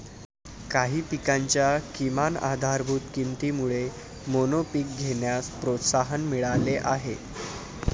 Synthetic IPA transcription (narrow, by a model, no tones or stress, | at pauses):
kaɦiːpikaɲt͡ɕjakimana̰d̪ʱaɾbʱuːt̪kint̪imuɭe | monopik̚ɡʱeɳjaspɾot̪saɦənmiɭaleʔaɦe